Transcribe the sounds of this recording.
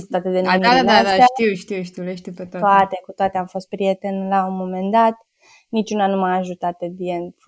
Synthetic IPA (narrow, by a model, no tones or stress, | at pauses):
st̪at̪ed̪enad̪anaaat̪iwʃt̪iwʃt̪ieʃt̪ipet̪at̪oaat̪e̞kut̪oat̪eamfo̞st̪̚pɾijet̪enlaunmːomend̪at̪ | nit͡ʃunanumaaːʒut̪at̪̚ed̪ien